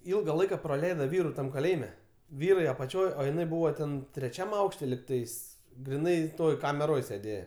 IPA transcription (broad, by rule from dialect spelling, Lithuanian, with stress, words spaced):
ˈɪlˠɡɐ ˈlˠɐɪkɐ prɐˈlʲɛɪdɐ ˈʋʲiːrʊ ˈtɐm kɐˈlʲeːjɪmʲɛ ˈʋʲiːrɐɪ ɐpɐˈt͡ʃʲoːj oː jɪˈnɐɪ ˈbuːʋoː tʲɛn tʲrʲɛˈt͡ʃʲɛm ˈɐʊkʃʲtʲɛ lʲɪkˈtɐɪs ɡrʲɪˈnɐɪ ˈtoːj kɐmʲɛˈroːj sʲeːˈdʲeːjɛ